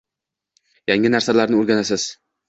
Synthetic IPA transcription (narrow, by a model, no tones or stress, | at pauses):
jaŋɪnaɾsalaɾnɪʊɾɡʲanasɪz̥